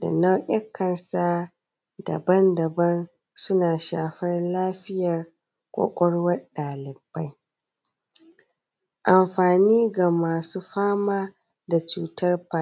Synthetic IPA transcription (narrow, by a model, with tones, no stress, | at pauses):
da̰˨na˦wʔɐ˦kʰːɐ˨nsa˦ | dɐ̰˨bɐ˦ndɐ˨bɐ˦n | sʊ˦naː˨ʃaː˨ɸɐ˦rlaː˦ɸɪ˦jɐ˨r | kʷʼo̰ː˨kʷʼɔ˦ɽwɐ˦ɗaː˨lɪ˨ba˦j | ʔa˨mɸaː˨niː˦ɡa˨maː˨suː˦ɸaː˦maː˦ | da˨t͡ʃuː˦tɐ˦rpa˦